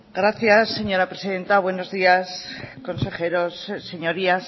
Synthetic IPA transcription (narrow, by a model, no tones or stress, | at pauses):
ɡɾaθjasːe̞ɲo̞ɾapɾe̞siðe̞nt̪aβwe̞no̞zðiasko̞nse̞χe̞ɾo̞sse̞ɲo̞ɾias